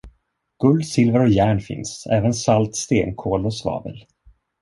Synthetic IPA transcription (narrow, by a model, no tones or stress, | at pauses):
ɡ̥ɵld̪sɪlvəɾɔjæːɳfɪ̰nsɛ̰ːvənsalt̪st̪eːnkʰoːlɔsvɑ̰ːbə̰l